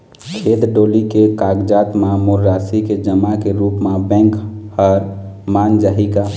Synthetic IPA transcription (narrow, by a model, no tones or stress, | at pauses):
kʰeːd̪ɖoːlikekaɡd͡ʒat̪mãmʊɾːaːsiked͡ʒəmakeɾuːpmãbɛ̃ŋkhəɾmand͡ʒaɦika